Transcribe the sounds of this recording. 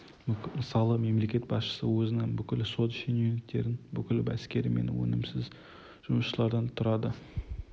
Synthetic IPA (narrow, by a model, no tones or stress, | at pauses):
məsɑlˠəme̞mle̞kʲe̞t̪bɑsʃə̥səwɵzɪnɪŋbʏkʲɪlso̞t̪ʃenunɪkt̪ːe̞ɾɪnbʏkʲɪlɪbæskʲe̞ɾɪme̞̰nwɵ̰nɪmsɪz | ʒ̥ʊməsʃəlˠɑɾd̪ɑnt̪ʰʊɾɑd̪ə